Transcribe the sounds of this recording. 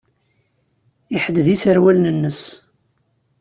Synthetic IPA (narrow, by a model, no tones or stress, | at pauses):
iħəd̪ðisəɾwælnənːəs